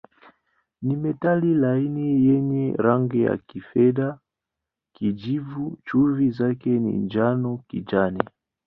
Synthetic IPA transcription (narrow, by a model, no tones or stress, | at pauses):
nimɛtalilainijɛɲɛɾaŋɡɛja̰kifɛɗa | kid͡ʒivut͡ʃuvizakɛnḭnd͡ʒanɔkid͡ʒanɛ